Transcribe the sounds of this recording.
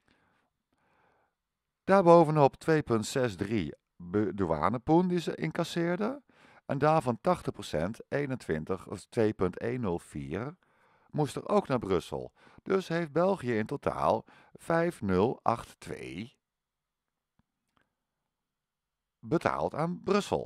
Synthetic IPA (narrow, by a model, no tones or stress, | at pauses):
d̥aːɹbowvənɔptʋejpɵntsɛsdri | bdua̰ːnəpundizəʔɪ̰ŋkasɪːɹdə | ʔɛndaːɹvɑntɑχtəχprosɛ̰ntejnəntʋɪntəχtʋejpɵntejnːɵlˠv̥ḭːr | mustə̰ro̰wknaːɹbrɵsə̰lˠ | d̥ɵsɦejftd̚bɛlˠχijəɪntotʰa̰ːlˠ | v̥ɛjfnɵlˠʔɑχtːʋḛj | bətʰa̰ːlˠtaːnbrɵsə̰lˠ